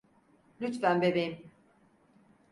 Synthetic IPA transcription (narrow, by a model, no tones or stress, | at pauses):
lʲyt̪fænbebejim